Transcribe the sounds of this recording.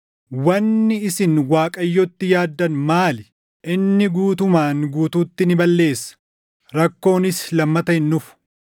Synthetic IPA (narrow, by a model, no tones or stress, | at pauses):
wɐnːɪɪsɪnwaːkʼɐjːɔt̪ːɪjaːd̪ːɐnmaːl | ɪnːɪɡuːt̪ʊmaːŋɡuːt̪uːt̪ːɪnɪbɐlːe̞ːsːɐ̥ | ɾɐkːo̞ːnɪslɐmːɐt̪ɐhɪnːʊfʊ̥